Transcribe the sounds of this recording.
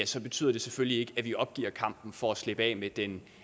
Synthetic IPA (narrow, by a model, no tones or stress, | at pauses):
æsɒ̽b̥e̝t͡sʰy̰ð̰ˠɐd̥e̝sefølie̝ɡ̥əæʋiɒ̽b̥̚ɡ̥ḭːɐkʰɑ̈m̰b̥n̩fɒ̽æsle̝b̥ɛ̰ːmed̥en